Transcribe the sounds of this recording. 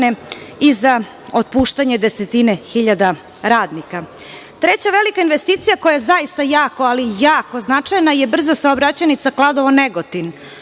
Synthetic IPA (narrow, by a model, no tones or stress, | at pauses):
neiza | ot̪̚puʃt̪aɲe̞d̪eset̪inexiʎad̪a | ɾaːd̪nika | t̪ɾe̞t͡ɕaʋelikainʋest̪iːt̪sijako̞jaezaist̪ajaːko̞alijaːko̞znat͡ʂajnaije̞br̩zasaobɾat͡ɕanit̪saklˠad̪oʋoneɡot̪in